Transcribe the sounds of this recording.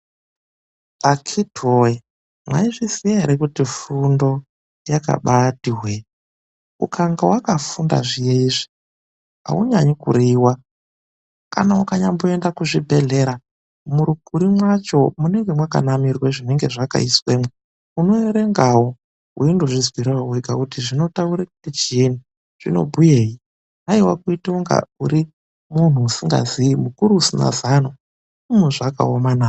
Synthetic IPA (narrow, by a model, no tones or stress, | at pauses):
akʰitoe | mwa̰iʐisijaeɾekutifundo̞ | jaka̰ɓatiwe | ṵkʰaŋɡawakafunda̰ʐijeiːʐi | a̰uɲaɲikṵɾiwa | ka̰naukaɲamboendakuʐibʱe̞ɮe̞ɾa | muɾukuɾimwat͡ʃo̞muneŋɡe̞mwaka̰namirweʐine̞ŋɡe̞ʐaka̰iswe̞ːmwe | uno̞eɾe̞ŋɡawo | ṵindo̞ʐizwiɾawoweɡʱakutiʐino̞tauɾekutet͡ʃieni | ʐ̥ino̞̰bʱujeːji | ɦaiwakuitiuŋɡa̰uɾi | mun̤uːsiŋɡa̰ziimukuɾuːsina̰zano | umeʐaka̰omanaː